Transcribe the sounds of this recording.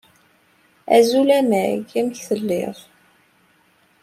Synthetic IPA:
æ̰zulæmæɡæmçθəlːɪ̰ð

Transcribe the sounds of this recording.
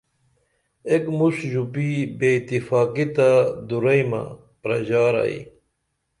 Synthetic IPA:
ekmusʑupibeːit̪ifaːkit̪ad̪uɾɐjma̰ | pɾɐʑaːɾa̰ḭ

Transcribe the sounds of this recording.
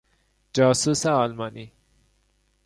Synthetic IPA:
d͡ʒɑːsusaːlmɑni

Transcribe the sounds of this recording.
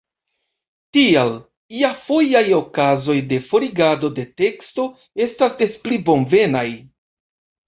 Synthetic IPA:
tial | iafo̞jajo̞kazo̞jde̞fo̞ɾiɡado̞de̞te̞ksto̞ | e̞stasde̞splibo̞nve̞naj

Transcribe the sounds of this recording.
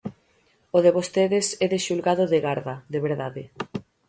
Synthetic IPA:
oðeβost̪eðesɛðeʃulɣaðʊðeɣaɾðɐðeβeɾðaðɪ

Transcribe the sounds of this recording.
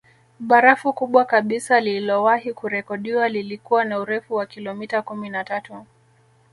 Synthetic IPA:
ɓaɾafukuɓwakaɓisalilɔwahikuɾɛkɔɗiwalilikuwanauɾɛfuwakilɔmitakuminatatu

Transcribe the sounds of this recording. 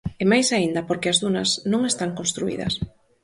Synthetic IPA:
emajsaind̪ɐpoɾkeazðunɐsnõŋest̪aŋkõnst̪ɾuḭðɐ̰s

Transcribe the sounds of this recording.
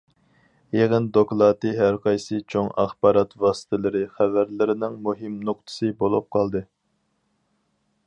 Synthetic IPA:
jeʁənd̪oklˠɑːt̪ɨɦæɾqʰɑjsɨt͡ʃʰoŋɑ̰χbɑːɾɑt̪vɑːsɨ̥t̪ʰɪlˠɨɾɪχævæɾlɪɾɪnɪŋmuɦɪmnoq̚t̪ʰɨ̥sɨbolˠup̚qʰɑlˠd̪ɨ

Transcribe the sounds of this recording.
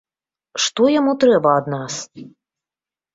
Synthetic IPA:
ʂt̪ɔjamut̪ɾɛbɐːd̪nas

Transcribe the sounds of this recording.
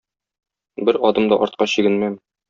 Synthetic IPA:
bɘɾɒd̪ɤmd̪ɒʔɒɾt̪̚qɑɕĭɡɘ̆nmæm

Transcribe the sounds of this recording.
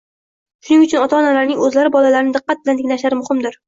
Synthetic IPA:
ʃʊnɪŋʊt͡ʃʰʊnɒt̪ʰaɒnalaɾnɪŋɵzlaɾɪbɒlalaɾɪnɪd̪ɨqːɑt̪̚bɪlant̪ʰɪŋlaʃlaɾɪmʊhɪmd̪ɪɾ

